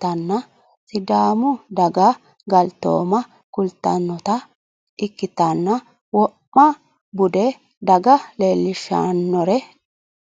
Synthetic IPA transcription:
ɐnːɐ | sɪd̪aːmʊd̪ɐɡɐ | ɡɐlt̪ːo̰ːmɐ | kʊlt̪ːɐ̰nːɔt̪ɐ | ɪkːɪt̪ɐnːɐ | wɔpːɐ | bʊd̪ɛ | d̪ɐɡɐleːlːɪʃːɐ̰nːɔɾɛ

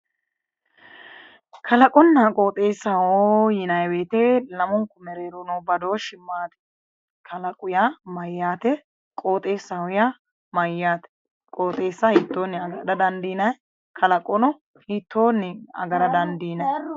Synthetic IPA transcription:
kʰɐlɐkʼɔnːakʼo̞ːt̪ʼe̞ːsɐojɪnɐjweːt̪eːlɐmʊŋkːʊmɛɾeːɾonoːbɐd̪o̞ːʃɪmːaːt̪ɛ̥ | kʰɐlɐkʼʊjamɐjːaːt̪ɛ | kʼo̞ːt̪ʼe̞ːsːɐhʊja | mɐjːaːt̪ɛ̥ | kʼoːt̪ʼe̞ːsːɐhiːt̪ːoːnːɪɐɡdɐd̪ɐnd̪iːnɐj | kʰɐlɐkʼɔnɔ | hiːt̪ʰːo̞ːnːɪɐ̰ɡɐɾɐd̪ɐnd̪iːnɐ

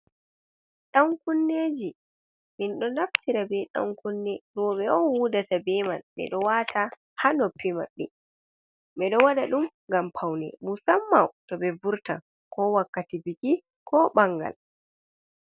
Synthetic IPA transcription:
ɗaŋkunːed͡ʒi | minɗɔnaftiɾabɛɗa̰ŋkunːɛɾɔɓɛɔwudatabɛmanɓɛ̰ɗɔwatʰa | hanɔpːimaɓɛ | ɓɛɗɔwaɗaɗum | ŋɡampʰawnɛ̰musamːawtɔbɛvuɾta̰n | kɔwakːatibiki | kʰɔɓaŋɡa̰l

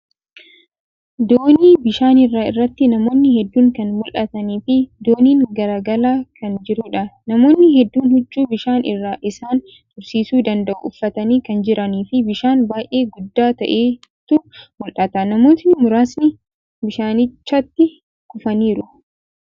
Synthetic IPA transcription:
d̪oːniːbɪʃaːnɪrːaːɪrːɐt̪ːɪnɐmo̞ːnːɪhɛd̪ːuːŋkɐnmʊlʔɐt̪ɐniːfɪd̪o̞ːniːŋɡɐɾaːɡɐlaːkʰɐnd͡ʒɪɾuːᶑɐnɐmo̞ːnːɪhɛd̪ːuːnhʊd͡ʒːuːbɪʃaːnɪrːaːʔɪsaːn | t̪ʊɾsiːsuːd̪ɐnd̪ɐʔṵʊfːɐt̪ɐniːkɐnd͡ʒɪɾʔɐniːfɪbɪʃaːnbaːjʔe̞ːɡʊd̪ːaːt̪ɐʔeː | t̪ʊmʊlʔɐt̪ɐnɐmo̞ːt̪ɪnɪmʊɾaːsnɪ | bɪʃaːnɪt͡ʃːɐt̪ːɪ | kʊfɐniːɾʊ

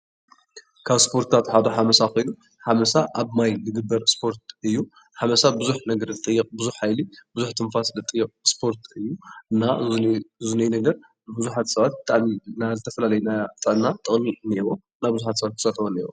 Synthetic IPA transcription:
kʰaβspʰo̞ɾt̪t̪ʰat̪ħad̪oħamɐsakɨju | ħamɐsaʔaβmajlɨɡɨbːɐɾspʰo̞ɾt̪̚ɨjːu | ħamɐsabɨzuħnɐɡɐɾlɨt̪ʼɨjːɨqʼbɨzuħħajlibɨzuħt̪ʰɨnfaslɨt̪ʼɨjːɨqʼspʰo̞ɾt̪ʰɨjːuɨnːaɨzunɐjnɐɡɐɾ | ɨbɨzuħat̪sɐβat̪̚bɨt̪ʼaʕminazɨt̪ʰɐfɐlalɐjnat̪ʼɐnːat̪ʼɨχʼmineβo | nabɨzuħat̪sɐβat̪t̪ʰːɨsat̪ʰβonːewo

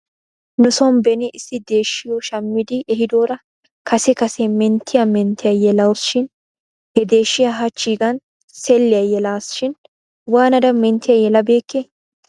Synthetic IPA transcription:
nʊsɔmbɛnɪɪsːɪd̪e̞ːʃːɪjɔʃɐmːɪd̪ɪɛɦɪd̪oːɾɐ | kɐsɛkɐsɛmɛnt̪ʰːɪjɐmɛnt̪ːɪjɐjɛlɐwsʃɪn | hɛd̪e̞ːʃːɪjaɦɐt͡ʃːiːɡɐn | sɛlːɪjɐjɛlaːsʃɪn | waːnɐd̪ɐmɛnt̪ːɪjɐjɛlɐbe̞ːkːe

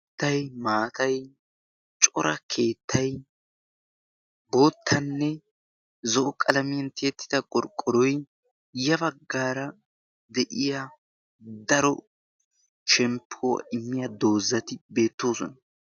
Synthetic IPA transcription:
t̪ːɐjmaːt̪ɐj | t͡ʃʼɔ̰ɾɐkʰe̞ːt̪ʰːɐj | bo̞ːt̪ʰːɐnːɛ | zɔʔɔkʼɐlɐmɪjɐnt̪eːt̪ːɪ̥d̪ɐkʼɔɾkʼːɔɾɔj | jɐbɐɡːaːɾɐ | d̪ɛʔɪja | d̪ɐɾɔ | ʃɛmpʰːow̰ʔɪmːɪjɐd̪o̞ːzːɐt̪ɪbe̞ːt̪ːo̞ːsɔnɐ

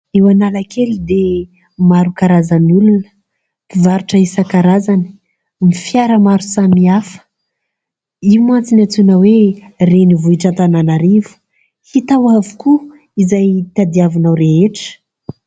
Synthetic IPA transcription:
ewanalakʰelid̪e | maɾukaɾazanulunə̥ | pivaɾuʈ͡ʂəisakaɾazani̥ | mifjaɾəmaɾusamiafə̥ | imant͡sinat͡sunəwerenivuiʈ͡ʂant̪ananaɾivu̥ | hit̪awavuku | izajt̪ad̪iavinawɾeɦeʈ͡ʂə̥

